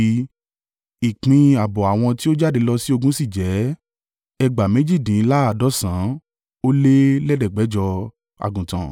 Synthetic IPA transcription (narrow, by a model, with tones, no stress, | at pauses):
i˨k͡pĩ˧a˨bɔ˨a˨w̃ɔ̃˧ti˦o˦d͡ʒa˦˨de˧lɔ˧si˦o˧ɡũ˦si˦˨d͡ʒɛ˨˦ | ɛ˧ɡ͡ba˨mẽ˨˦d͡ʒi˦˨dĩ˨˧˦la˦a˨dɔ˨˦sã˨˦ | o˦le˦lɛ˦dɛ˦˨ɡ͡bɛ˨˦d͡ʒɔ˧ | a̰˨ɡũ˨tã̰˨